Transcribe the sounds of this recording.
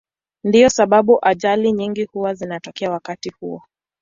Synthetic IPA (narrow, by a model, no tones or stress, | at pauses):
ndiɔsaɓaɓuʔaʄaliɲiŋɡihuwazinatɔkɛawakatihuɔ